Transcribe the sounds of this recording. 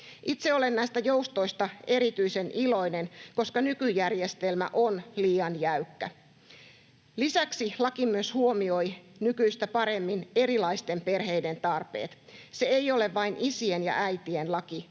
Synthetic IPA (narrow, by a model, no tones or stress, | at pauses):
ʔit̪seo̞lenːæist̪æjoust̪oist̪ɑeɾit̪yisenʔilo̞inenko̞skɑnykyjærjest̪elmæ̰ʔonliːɑnjæykːæ | lisæksilɑkimyøshuomio̞jnykyist̪æpɑɾe̞mːine̞ɾilɑist̪e̞mpe̞rɦe̞ide̞nt̪ɑrpe̞̰ːt̪ | se̞eioleʋʋɑinisienjɑ̰ʔæjt̪ienlɑki